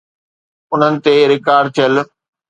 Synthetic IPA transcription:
ʊn̤ənɪ̆t̪eɾɪkaːɾɖ̚t̪ʰijəl

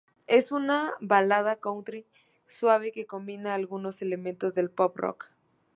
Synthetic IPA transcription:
e̞sunaβalað̞akownt̪ɾi | swaβ̞eke̞ko̞mbinaːlɣuno̞se̞le̞mẽnt̪o̞zðe̞lpopro̰k

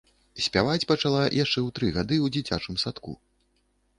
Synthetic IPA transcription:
sʲpʲavat͡sʲpɐt͡ʂalˠajʔaʂt͡ʂɛwt̪ɾɨɣad̪ɨwd͡zʲit͡sʲat͡ʂɨmsat̪kṵ

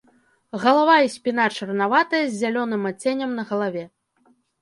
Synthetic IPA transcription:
ɣɐlˠavaisʲpʲinat͡ʂɐrnavat̪ɐjɐzʲːalʲɔnɨmat͡sʲenʲɐmnɐɣɐlˠavʲɛ

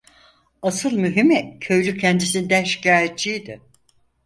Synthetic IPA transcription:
asɯlˠmyɦimɛcʰø̞jlʲycʰɛnd̪isind̪æʃi̥cʰaːjet̪̚t͡ʃʰijd̪ɪ

